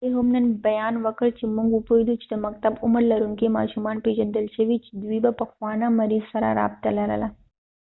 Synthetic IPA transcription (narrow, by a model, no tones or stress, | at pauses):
teɦomnɐnbɐjaːnʋəkəɭt͡ɕimːuŋɡupojd̪ut͡ʃi̥t̪əmɐk̚t̪abuməɾlɐɾunkema̰ːʃumaːnped͡ʒɐnd̪əlɕeʋit͡ʃd̪ʋibɐpɐkʰʋaːnamɐɾiːzsɐɾa̰ɾa̰b̚t̪alaɾa̰la